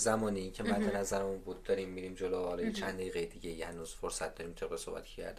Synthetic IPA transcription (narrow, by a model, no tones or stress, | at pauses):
zæmɒːneiːncʰemæd̪enæzæɾemunbuːd̪̚d̪ɒːɾiːmːiɾiːmd͡ʒolohɒlɒːjet͡ʃʰænd̪æiːɣejed̪iɟejihænuːz̥foɾsæt̪̚d̪ɒːɾiːmt̪ʰe̞b̚ʁesobæ̰t̪ʰe̥ʃcʰæ̰ɾd̪i